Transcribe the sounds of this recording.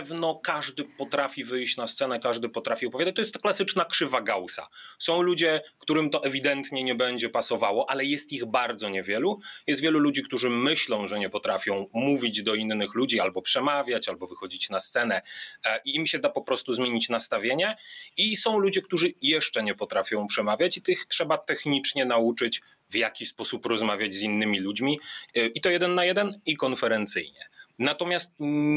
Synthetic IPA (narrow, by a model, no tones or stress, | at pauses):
vnɔkaʐd̪ɘpɔt̪ɾafʲivɘjɕt͡ɕnast̪sɛnɛkaʐd̪ɘpɔt̪ɾafʲiɔpɔvʲjad̪at͡ɕt̪ɔjɛst̪klasɘt͡ʂnakʂɘvaɡawsa̰sɔ̃w̃lud͡ʑɛkt̪uɾɘmt̪ɔʔɛvʲid̪ɛnt̪ɲɛɲɛbɛɲd͡ʑɛpasɔvawɔʔalɛjɛst̪iɣbaɾd̪zɔɲɛvʲjɛlujɛst̪vʲjɛlulud͡ʑik̚t̪uʐɘmɘɕlɔ̃w̃ʐɛɲɛpɔt̪ɾafʲjɔ̃w̃muvʲid͡ʑd̪ɔinːɘxlud͡ʑialbɔpʂɛmavʲjat͡ɕalbɔvɘxɔd͡ʑit͡ɕnast̪sɛnɛʔiimɕɛd̪apɔpɾɔst̪uzmʲeɲit͡ɕnast̪avʲjeɲɛisɔ̃w̃lud͡ʑɛkt̪uʐɘjɛʂt͡ʂɛɲɛpɔt̪ɾafʲjɔ̃w̃pʂɛmavʲjat͡ɕit̪ɘxtʂɛbat̪ɛxɲit͡ʂɲɛnaut͡ʂɘt͡ɕ | vjakʲispɔsupɾɔzmavʲjad͡ʑzinːɘmʲilud͡ʑmʲiʔit̪ɔjɛd̪ɛnːajɛd̪ɛnikɔnfɛɾɛnt̪sɘ̰jɲɛ̰nat̪ɔmʲjast̪̚